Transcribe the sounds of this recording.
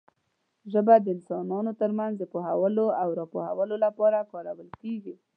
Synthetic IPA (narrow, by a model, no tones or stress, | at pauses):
ʒəbad̪əɪnsɑnɑnot̪əɾmanzd̪əpoɦawəloawɾɑpohawəlolapɑɾakɑɾawəlkeɡi